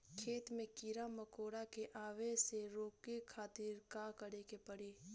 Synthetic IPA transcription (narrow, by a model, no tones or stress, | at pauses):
kʰeːt̪mẽkiɾamɐkoːɽakeʔaːʋeseɾoːkekʰaːt̪ɪɾkaːkɐɽekepɐɽeː